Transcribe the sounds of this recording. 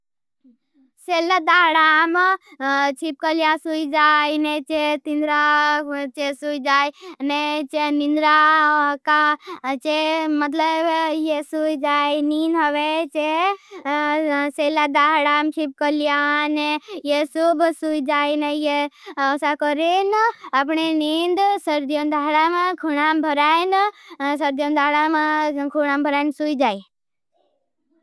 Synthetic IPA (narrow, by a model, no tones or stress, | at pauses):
selad̪aɦɽam | t͡ʃʰip̚kəlijasuid͡ʒajnet͡ʃet̪ind̪ɾat͡ʃesujd͡ʒajnet͡ʃenind̪ɾakat͡ʃemət̪ləbjesujd͡ʒajninɦəʋet͡ʃe | seːlad̪aːɦɽamt͡ʃʰip̚kəlijanejesubsuid͡ʒaːinejeɔsakɔɾenapɳenind̪səɾd̪ijond̪ʱaːɦɽamẽkʰunaːmbʱəɾaːinsəɾd̪ijond̪aːɦɽamakʰuɽaːmbʱəɾaːinsujd͡ʒaːi